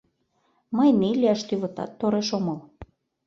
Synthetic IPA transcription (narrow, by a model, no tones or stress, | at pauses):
məjnelʲiɑʃt̪yβɤ̆t̪ɑ̰t̪ːoɾeʃomɤl